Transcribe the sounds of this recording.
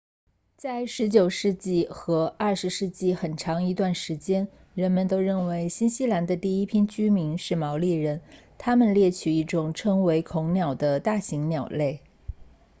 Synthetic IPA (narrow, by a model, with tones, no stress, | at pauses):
t͡sa˥˩ɪʂɻ̩˧˥t͡ɕjo˨˩ʊʂɻ̩˥˧t͡ɕi˥˩xɤ˧˥ɐ˥˩ʂɻ̩˧˥ʂɻ̩˥˧t͡ɕi˥˩xə˨˩nʈ͡ʂʰɑ˧˥ŋi˧˥t̪wa˥˩nʂɻ̩˧˥t͡ɕjɛ˥n | ɻə˧˥nmə˨˧nt̪o˥ʊɻə˥˩nwe˧˥ɪɕi˥nɕi˥la˧˥nd̪ə˧t̪i˥˩i˥pʰi˥nt͡ɕy˥mi˧˥nʂɻ̩˥˩mɑ˧˥ʊli˥˩ɻə˧˥nt̪ʰa˥mə˨nljɛ˥˩t͡ɕʰy˨˩i˥˩ʈ͡ʂʊ˨˩ŋʈ͡ʂʰɤ˥ŋwe˧˥ɪkʰʊ˧˥ŋnjɑ˨˩ʊd̪ə˦t̪a˥˩ɕi˧˥ŋnjɑ˨˩ʊle˥˩ɪ